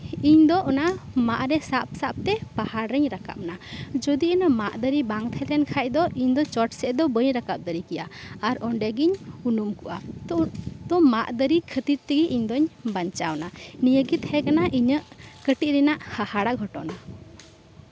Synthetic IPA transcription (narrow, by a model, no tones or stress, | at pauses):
iɲd̪ɔʔɔnamaʔɾɛsap̚sap̚t̪ɛpahaɾɾəɲɾaka̰p̚nad͡ʒɔd̪iənəmaʔd̪əɾibaŋt̪ʰɛlɛnkʰac̚d̪ɔʔiɲd̪ɔt͡ʃɔʈsɛʔd̪ɔbəɲɾakap̚d̪əɾikɛjaːɾɔɳɖɛɡiɲunumkuʔa | t̪ɔmaʔd̪əɾikʰət̪iɾt̪iɡiʔiɲd̪ɔɲbaɲt͡ʃawnanijəɡit̪hɛkanaʔiɲəʔkəʈiʔɾɛnaʔhahaɽaɡʱɔʈɔ̰na